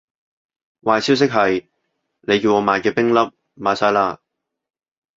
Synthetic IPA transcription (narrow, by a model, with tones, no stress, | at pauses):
waː˨˧jsi˥ws̬ɪ˥k̚ɦɐ˨j | ne˨˧jkiː˧wŋɔː˨˧maː˨˧jkɛː˧pɪ˥ŋlɐ˥p̚ | maː˨˧saː˧˥jlaː˧